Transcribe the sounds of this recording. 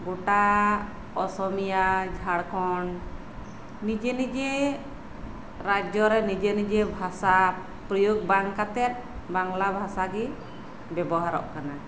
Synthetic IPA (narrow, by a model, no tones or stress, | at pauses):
ɡɔʈa | ɔsɔmijad͡ʒʱaɽkɔn | nid͡ʒenid͡ʒe | ɾad͡ʒɔɾɛnid͡ʒenid͡ʒebʱasa | pɾɔjuɡ̚baŋkat̪ɛt̪̚ˀbaŋlabʱasaɡi | bɛbɔɦaɾɔ̰ʔkana